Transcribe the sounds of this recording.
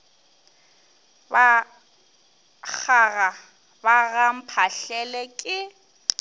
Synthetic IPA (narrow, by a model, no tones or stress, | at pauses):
ba | k͡xaɣa | baɣam̩pʰaɬɛlɛkʼɪ